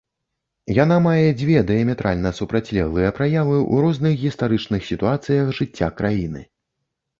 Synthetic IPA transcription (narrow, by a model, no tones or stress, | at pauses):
janamajɛd͡zʲvʲɛd̪ɛjɐmʲɛt̪ɾʔalʲnɐsupɾat͡sʲlʲɛɣlˠɨjɐpɾajavɨʔṵɾɔznɨxɣʲist̪aɾɨt͡ʂnɨxsʲit̪uat̪sɨjɐxʐɨt͡sʲːa̰kɾajinɨ̰